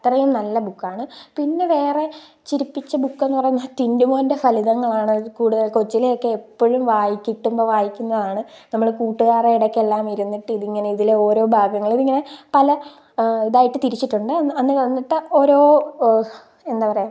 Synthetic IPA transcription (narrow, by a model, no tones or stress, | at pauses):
t̪rɐjumnɐlːɐbukːaːɳɨpinːe̞ʋe̞ːre̞ | t͡ɕiɾipːit͡ɕːɐbukːe̞nːpɐrɐjunːɐt̪indumoːnde̞fɐliðɐŋːɐɭaːɳɨkuːɽuðɐlko̞t͡ɕːileokːe̞ːpːoɻumʋaːjikʲːiʈːumbo̞ːʋaːjikʲːunːɐðaːɳɨnɐmːɐɭkuːʈːuɣaːreiɽɐkʲːelːaːmiɾunːiʈːɨiðiŋːɐne̞iðileo̞ːɾo̞ːbʱaːɡɐŋːɐɭiðiŋːɐne̞pɐlɐ | iðaːjiʈːɨt̪iɾit͡ɕːiʈːuɳɖɨɐɐnːɨʋɐnːiʈːɨo̞ːɾo̞ː | e̞nd̪aːpɐrɐjaː